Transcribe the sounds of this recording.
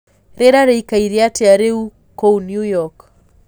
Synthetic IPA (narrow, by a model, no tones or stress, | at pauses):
ɾeɾaɾeikaiɾiatiaɾeu | kownjujɔk